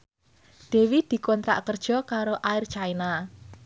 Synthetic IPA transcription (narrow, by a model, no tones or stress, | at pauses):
d̪̥e̤wid̪̥i̤kɔnt̪ɾa̰ʔkərd̥ʒ̥ɔ̤kaɾoʔaɪrt͡ʃaina